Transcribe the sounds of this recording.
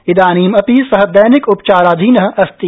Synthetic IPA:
ɪd̪aːniːmɐpisɐɦəd̪ɐjnɪkʊpt͡ʃaːɾaːd̪ʱiːnɐɦɐ̆ʔɐst̪i

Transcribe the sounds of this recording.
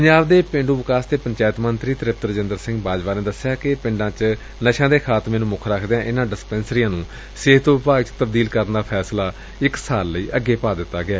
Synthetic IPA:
pəɲd͡ʒaːbd̪eːpɪ̃ɳɖũːʋɪkaːsd̪eːpəɲt͡ʃaːjət̪mənt̪ɾiːt̪ɾɪp̚t̪əɾəd͡ʒɪnd̪əɾsɪ̃ŋɡbaːd͡ʒbaːnẽːd̪əsɪjaːkɪpɪ̃ɳɖãːt͡ʃ | nəʃãːd̪eːkʰaːt̪mɛːnũːmʊkʰɾakʰd̪eãːʔɪnãːɖɪspɛ̃ːnsɾijãːnũː | sɪɦt̪õːʋɪpaːɡt͡ʃt̪əbd̪iːlkəɾənd̪aːpʰɛːslaː | ɪksaːlːəiːʔəɡːeːpaːd̪ɪt̪ːaːɡɪɛː

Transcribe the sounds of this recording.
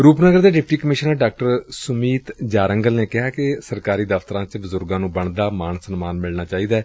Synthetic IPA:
ɾuːpnəɡəɾd̪eːɖɪpʈiːkəmɪʃənəɖaːk̚ʈəɾsʊmiːt̪d͡ʒaːɾəŋɡəlneːkɪɦaːkɪsəɾkaːɾiːd̪əft̪əɾãːt͡ʃbəzʊɾɡãːnũːbəɳd̪aːmaːnsənmaːnmɪlnaːt͡ʃaːiːd̪aː

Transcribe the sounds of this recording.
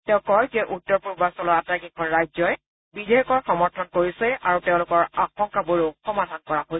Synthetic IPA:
tɛʊ̃kɔjzɛʔutːɔɹpuɹbasɔlɔɹatɹakikʰɔnɹajzɔj | bidʱejɔkɔɹxɔmɔɹtʰɔnkoɹisɛaɹuteʊ̃lʊkɔɹaxɔŋkabuɹuxɔmadʱankɔɹaɦoj

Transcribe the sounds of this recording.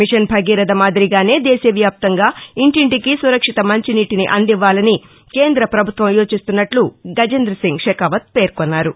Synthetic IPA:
miʂɐnbʱɐɡiːɾɐd̪ɐmaːd̪iɾiɡaːne̞ːd̪ɛeːsɐʋjaːp̚t̪ɐŋɡaːiɳʈiɳʈikisuɾɐkʂit̪ɐmɐɲt͡ʃiniːʈiniʔɐnd̪iʋːaːlɐni | ke̞ːnd̪ɾɐpɾɐbʱut̪ʋɐmjoːt͡ʃist̪unːɐʈluɡɐd͡ʒɐnd̪ɾɐsiŋɡʂeːkaʋɐt̪̚pe̞ːɾkonːaːɾu

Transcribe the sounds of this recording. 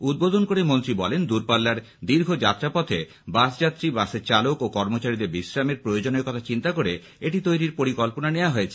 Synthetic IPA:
ud̪̚bod̪ʱonkoɾemont̪ɾibɔlend̪uɾpalːaɾ | d̪iɾɡʱod͡ʑat̪ːɾapɔt̪ʰe | basd͡ʑat̪ːɾibaseɾt͡ɕalokokɔɾmot͡ɕaɾid̪eɾbiʃɾameɾpɾojod͡ʑoneɾkɔt̪ʰat͡ɕint̪akoɾe | eʈit̪ojɾiɾpoɾikɔlponaneoaɦoet͡ɕʰe̥

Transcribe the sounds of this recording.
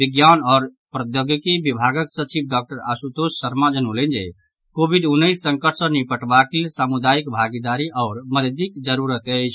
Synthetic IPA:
biɡjanɔːɾ | pɾəd̪joɡikibibʱaɡəksət͡ʃib̚ɖɔk̚ʈəɾa̰sut̪osːəɾmad͡ʒənolend͡ʒḛ | kobʱiɖ̪unːəjsːəŋkəʈʰsə̃nipəʈbakesamud̪aikbʱaɡid̪aɾiʔaʊɾməɾd̪ikd͡ʒəɾuɾət̪ət͡ʃʰ

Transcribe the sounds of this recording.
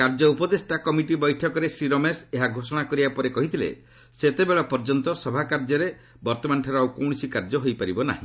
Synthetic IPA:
kaɾd͡ʒɔupɔd̪esʈakɔmiʈibɔjʈʰɔkɔɾesɾiɾɔmeseɦaɡʱosɔɽ̃akɔɾibapɔɾekɔɦit̪ʰilḛ | set̪ebeɭɔpɔɾd͡ʒɔnt̪ɔsɔbʱakaɾd͡ʒɔɾe | bɔɾt̪ɔmanʈʰaɾɔawkɔw̃ɔsikaɾd͡ʒɔɦojpaɾibɔna̰ɦĩ

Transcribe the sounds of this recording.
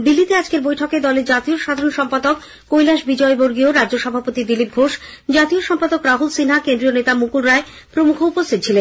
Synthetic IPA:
d̪ilːit̪ead͡ʑkeɾbojʈʰoked̪ɔleɾd͡ʑat̪ioɾʃad̪ʱaɾonʃɔmpad̪okː | ojlaʃbid͡ʑɔeboɾɡioɾaɾd͡ʑoʃɔbʱapot̪id̪ilip̚ɡʱoʃ | d͡ʑat̪ioʃɔmpad̪okɾaɦulsinɦakend̪ɾionet̪amukulɾae | pɾomukʰoupost̪ʰit̪̚t͡ɕʰilen

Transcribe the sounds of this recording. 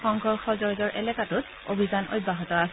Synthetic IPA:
ɔŋɡʰʱɔxɔzɔɹzɔɹʔɛ̰lɛkatʊt̚ | o̰bʱizanʔo̰t̚baɦɔtɔas

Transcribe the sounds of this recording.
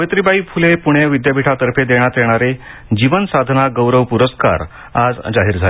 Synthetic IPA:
ʋjt̪ɾibaiːfʰulepuɽ̃eʋid̪jabʱiʈʰat̪əɾpʰed̪eɽ̃at̪jeɽ̃aɾe | d͡ʑiʋənsad̪ʱnaɡəwɾəʋpuɾəska̰ɾ | ad͡zd͡ʑaɦiːɾd͡zʱale

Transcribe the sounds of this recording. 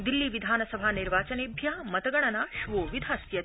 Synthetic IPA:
d̪ilːiːʋid̪ʱaːnɐsɐbʱaːniɾʋaːt͡sɐnebʱjamɐt̪ɐɡɐɳ̃ɐnaːʃʋoːʋid̪ʱasjɐ

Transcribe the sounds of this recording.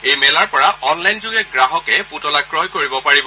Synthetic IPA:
ejmɛlaɹpɔɹaɔnlajnzʊɡɛɡɹaɦɔkɛputɔlaɡɹɔɦkoɹibɔpaɹibɔ

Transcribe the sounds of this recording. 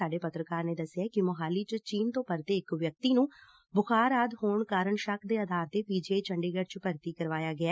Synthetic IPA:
aːɖeːpət̪ɾəkaːɾneːd̪əsːɪjaːkɪmʊɦaːliːt͡ʃt͡ʃiːnt̪õːpəɾt̪eːɪkʋjək̚t̪iːnũː | bʊxʰaːɾaːd̪hoːɳkaːɾəɳʃəkʰd̪eːəd̪aːɾt̪eːpiːd͡ʒeːt͡ʃəɳɖeːɡəɖt͡ʃpəɾt̪iːkəɾʋaːjaːɡɪa

